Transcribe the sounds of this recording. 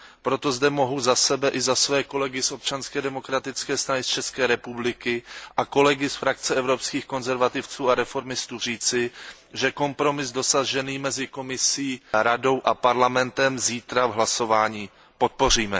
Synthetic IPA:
pɾo̞t̪o̞zdɛmo̞ɦuzasɛbɛʔɪzasvɛːko̞lɛɡɪsʔo̞p̚t͡ʃanskɛːdɛmo̞kɾat̪ɪt͡skɛːst̪ɾanɪst͡ʃɛskɛːɾɛpublɪkɪʔako̞lɛɡɪsfɾakt͡sɛɛvɾopskiːxko̞nzɛɾvat̪ɪft͡suːaɾɛfo̞ɾmɪst̪uːr̝iːt͡sɪ | ʒɛko̞mpɾo̞mɪsdo̞saʒɛniːmɛzɪko̞mɪsiːɾado̞wʔapaɾlamɛnt̪ɛmziːt̪ɾavɦlaso̞vaːɲiː | pot̪̚po̞r̝iːmɛ

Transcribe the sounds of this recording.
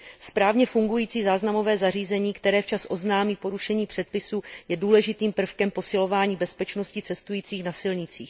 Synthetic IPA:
spɾaːvɲɛfuŋɡujiːt͡siːzaːznamo̞vɛːzariːzɛɲiːkt̪ɛɾɛːft͡ʃasʔo̞znaːmiːpo̞ɾuʃɛɲiːpr̥ɛt̪̚pɪsuːjɛduːlɛʒɪt̪iːmpr̩fkɛmpo̞sɪlo̞vaːɲiːbɛspɛt͡ʃno̞scɪt͡sɛst̪ujiːt͡siːxnasɪlɲɪt͡siːx

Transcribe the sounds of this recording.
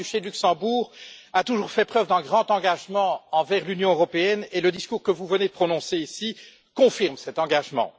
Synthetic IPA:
yʃed̪lyksɑ̃buːʁat̪uʒuːʁfɛpχœvd̪ɛ̃ɡʁɑ̃t̪ɑ̃ɡaʒmɑ̃ɑ̃vɛʁlynjɔ̃øʁɔpeɛneləd̪iskuːʁkəvuvəned̪əpχɔnɔ̃seisi | kɔ̃fiʁmsɛt̪ɑ̃ɡaʒmɑ̰̃

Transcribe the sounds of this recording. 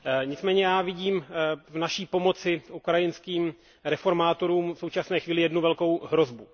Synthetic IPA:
ɲɪt͡smɛːɲɛjaːvɪɟiːmvnaʃiːpo̞mo̞t͡sɪukɾajɪnskiːm | ɾɛfo̞ɾmaːt̪o̞ɾuːmfso̞wt͡ʃasnɛːxviːlɪjɛdnuvɛlko̞wɦɾo̞zbu

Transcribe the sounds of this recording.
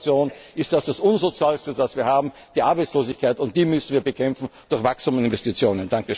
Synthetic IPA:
t͡sjoːnʔɪst̚d̥asd̥asʔʊnzot͡sjaːlstədasv̥iːɐhaːbm̩ | d̥iːʔaɐbaɪt͡sloːzɪçkʰaɪtʊnt̚d̥iːmʏsn̩viːɐbəkʰɛmfn̩d̥ʊɐçv̥akstuːmɪnvɛstit͡sjoːnənd̥aŋkəʃ

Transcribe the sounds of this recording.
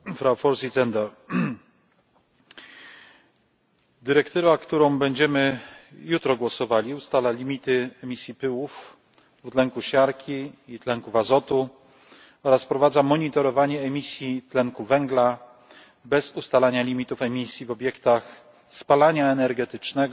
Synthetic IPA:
fɾawfɔɾsʲizɛnd̪ɛɾ | d̪ɘɾɛkt̪ɘvakt̪uɾɔ̃w̃bɛɲd͡ʑɛmɘjut̪ɾɔɡwɔsɔvalʲiust̪alalʲimʲit̪ɘɛmʲisʲjipɘwuf | vut̪lɛŋkuɕaɾkʲʰiːt̪lɛŋkuvazɔt̪u | ɔɾaspɾɔvad̪zamɔɲit̪ɔɾɔvaɲɛːmʲisʲjit̪lɛŋkuvɛŋɡla | bɛzust̪alaɲalʲimʲit̪ufɛmʲisʲjivɔbjɛkt̪ax | spalaɲaɛnɛɾɡɛt̪ɘt͡ʂnɛɡ

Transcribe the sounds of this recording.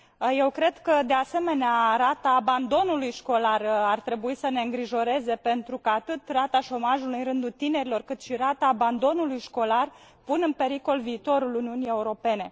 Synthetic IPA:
je̞wkɾe̞d̪kəd̪e̞ase̞me̞neaɾat̪aːband̪o̞nulujʃko̞larart̪ɾe̞buisəne̞ɨŋɡɾiʒo̞ɾe̞ze̞pe̞nt̪ɾukəat̪ɨt̪rat̪aʃo̞maʒulujɾɨnd̪ut̪ine̞ɾilo̞rkɨt̪ʃiɾat̪aːband̪o̞nulujʃko̞lar | punɨnpe̞ɾiko̞lviːt̪o̞ɾuluniunie̞uɾo̞pe̞ne̞

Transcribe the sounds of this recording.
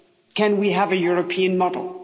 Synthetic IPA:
kʰɨ̃nwiəvɨjʊɹɨpʰĩɨ̃nmɑdl̩ˠ

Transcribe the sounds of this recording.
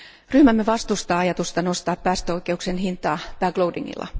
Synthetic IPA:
ryhmæmːeʋɑst̪ust̪ɑːɑjɑt̪ust̪ɑnost̪ɑːppæːst̪øojke̞uksenhint̪ɑːpæːɡ̥loudḭŋːḭlːɑ̰

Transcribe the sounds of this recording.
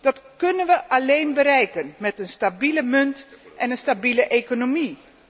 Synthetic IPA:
d̥ɑtkɵnənʋəʔalejnbəɾɛjkənmɛtənstabiləmɵntʔɛnənstabiləʔekonomi

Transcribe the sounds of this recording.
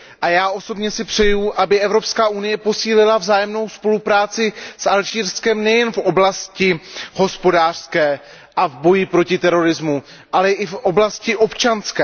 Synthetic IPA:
ʔajaːʔo̞so̞bɲɛsɪpr̝̥ɛjuʔabɪʔɛvɾo̞pskaːʔunɪjɛpo̞siːlɪlavzaːjɛmno̞wspo̞lupɾaːt͡sɪsʔalʒiːɾskɛmnɛjɛnfʔoblascɪho̞spo̞daːr̥skɛː | ʔavbo̞jɪpɾo̞cɪt̪ɛɾo̞ɾɪzmu | ʔalɛʔɪfʔoblascɪʔo̞pt͡ʃanskɛː

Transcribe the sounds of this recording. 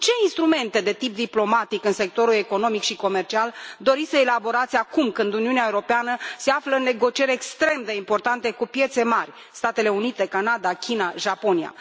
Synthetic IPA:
t͡ʃe̞inst̪ɾume̞nt̪e̞d̪e̞t̪ip̚d̪iplo̞mat̪ikɨnse̞k̚t̪o̞ɾule̞ko̞no̞mikʃiko̞me̞rt͡ʃiald̪o̞ɾisəelabo̞ɾat̪sʲakumkɨnd̪uniuneaeuɾo̞peanəse̞afləɨnːe̞ɡo̞t͡ʃie̞ɾekst̪ɾe̞md̪e̞impo̞rt̪ant̪e̞kupje̞t̪se̞marʲ | st̪at̪e̞le̞unit̪e̞kanad̪akʲinaʒapo̞nia̰

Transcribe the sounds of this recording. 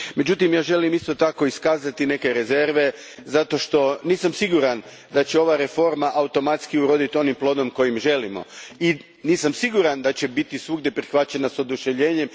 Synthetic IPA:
me̞d͡ʑut̪imjaːʒe̞limist̪o̞t̪ako̞iskaːzat̪ine̞ke̞ɾe̞ze̞ɾʋe̞ | zat̪o̞ʃt̪o̞niːsamsiɡuɾan | d̪at͡ɕeo̞ʋaɾe̞fo̞ɾmaʔaut̪o̞mat̪skiuɾo̞d̪it̪o̞nimplˠo̞ːd̪o̞mko̞jimʒe̞limo̰i | niːsamsiɡuɾand̪at͡ɕe̞bit̪isʋuɡd̪e̞pɾixʋat͡ɕe̞naso̞d̪uʃeʋʎe̞ːɲe̞m

